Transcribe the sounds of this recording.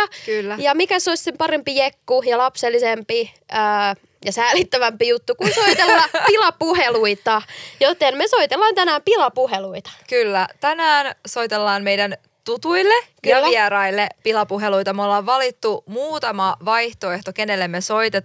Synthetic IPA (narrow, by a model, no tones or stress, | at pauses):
kylːæjɑmikæsoisʲsempɑrempijekːujɑlɑpselːisempi | øː | jɑsæːlit̪ːæʋæmpijut̪ːukunsoit̪elːɑpilɑpuheluit̪ɑjot̪enmeso̞it̪elːɑːnt̪ænæːmpilɑpuheluit̪ɑ̥kylːæt̪ænæːnso̞it̪elːɑːnmeidæn | t̪ut̪uilːekyːæiæɾɑilːepilɑpuɦeluit̪ɑmeolːɑːʋʋɑlit̪ːumuːt̪ɑmɑʋɑiht̪oeht̪okenelːemːesoit̪e